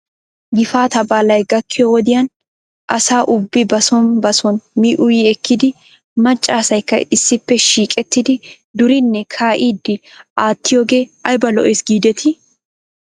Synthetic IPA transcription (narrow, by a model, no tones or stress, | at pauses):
ɡɪfaːt̪ɐbaːlɐjɡɐkːɪjɔwɔd̪ɪjɐn | ʔɐsaːʔʊbːɪbɐsɔnbɐsɔnmiːʔʊjiːɛkːɪd̪ɪ | mɐt͡ʃʼːaːsɐjkːɐ̰ɪsːɪpːɛʃiːkʼɛt̪ːɪd̪ɪ | d̪ʊɾɪnːɛkʰaːʔiːd̪ɪʔaːt̪ːɪjoːɡe̞ːɐjbɐlɔ̰ʔeːsɡiːd̪ɛt̪ʰɪ